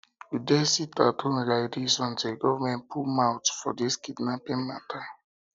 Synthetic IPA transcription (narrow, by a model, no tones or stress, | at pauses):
udɛsita̰tʰõnɹajdisɔ̃nteɡɔvamɛ̃npʰumawtfɔ̰diskidnapĩnmatʰa